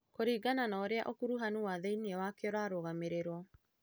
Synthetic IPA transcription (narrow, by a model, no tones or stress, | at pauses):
koɾiːɡananaoɾeaʔokuɾuɦanuwaðeiniɛwakeɔɾwaɾoɣameɾeɾwɔ